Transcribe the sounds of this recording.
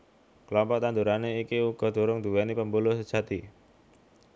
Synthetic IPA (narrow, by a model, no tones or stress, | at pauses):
kəlɔmpɔk̚t̪and̪uɾaneikiuɡ̥ɔ̤d̪̥o̤ɾʊŋd̪ṳwɛnipəmbulʊhsəd̥ʒ̥ä̤t̪i